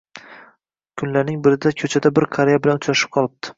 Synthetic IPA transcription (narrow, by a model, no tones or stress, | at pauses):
kʰʊnlaɾnɪŋbɪɾɪd̪akʰɵt͡ʃʰad̪abɪɾkʰaɾejabɪlanʊt͡ʃɾaʃɪ̥p̚qʰɒlˠɪb̚d̪̥ʰɪ̥